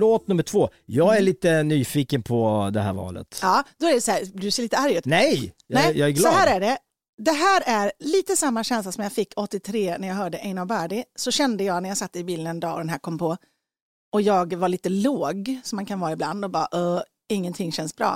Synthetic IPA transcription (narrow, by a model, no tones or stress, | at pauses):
loːt̪̚nɵmːəʈʰv̥oːjɑːɡæɭiːt̪ənyːfiːkənpʰɔd̪ɛɦæ̰ɾvɑ̰ːlə̰t̪ɑːd̪ɔæɖɛsæːb̪sɛːliːt̪əaɾjʉ̟ːt̪nɛjnɛjɑæɡlɔɦæːɾæɖɛ | d̪ɛɦæːɾæɾliːt̪əsamːaɕɛnslasɔmjafɪkːɔt̪ːɪt̪ʰɾeːnæɾjaɡɦœːɖəʔɛɪnɔbæːɖɪsɔɕɛnd̪əjɑːɡnæɾjaɡsat̪ːəɪbiːlənɛnd̪ɑːɔd̪ɛnɦæːɾkʰɔmːpʰɔ | ɔjɑːɡvaɭiːt̪əloːɡsɔmankʰanvɑːɾaɪbla̰nd̪ɔbɑ̰ːaʔɔ | ɪŋːənt̪ʰɪŋːɕɛnsbɾɑ̰ː